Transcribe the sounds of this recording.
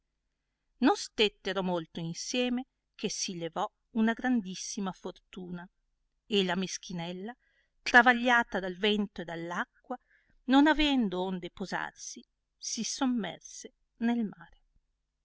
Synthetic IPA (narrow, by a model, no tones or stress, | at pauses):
nonst̪et̪ːeɾomolt̪oinsjɛːme | k̟ʰesilevɔ | unaɡɾand̪isːimafort̪uːna | elamesk̟inɛlːa | t̪ɾavaʎːaːt̪ad̪alvɛnt̪oed̪alːakːwa | nonavɛnd̪oond̪epoza̰rsi | sisomːɛ̰rse | nelmaːɾe